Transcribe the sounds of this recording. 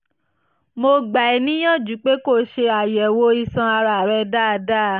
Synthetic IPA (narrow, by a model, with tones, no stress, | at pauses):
mo˧ɡ͡ba˨i˨˦nĩ˦j̃ã˦˨d͡ʒu˨˦k͡pe˨˦ko˦˨ʃe˧a˨jɛ˨wo˧˦i˧sã˧a˧ɾa˧˨ɾɛ˧da˦˨˧da˦˨